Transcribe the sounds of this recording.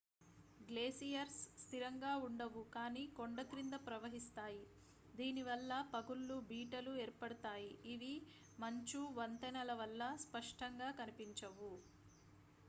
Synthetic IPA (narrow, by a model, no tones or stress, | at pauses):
ɡleːsijɐɾsːt̪ʰiɾɐŋɡaːuɳɖɐʋukaːniːkoɳɖɐt̪ɾind̪ɐpɾɐʋɐɦist̪aːji | d̪iːniʋɐlːɐpɐɡulːubiːʈɐlueːɾpɐɽɐt̪aːjiiʋi | mɐɲt͡ʃuʋɐnt̪ɐnɐlɐʋɐlːɐspɐʂʈɐŋɡaːkɐnipiɲt͡ʃɐʋu